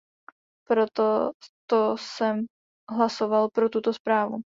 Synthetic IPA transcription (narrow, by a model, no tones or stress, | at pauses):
pɾo̞t̪ot̪osɛm | ɦlasovalpɾo̞t̪ut̪o̞spɾaːvṵ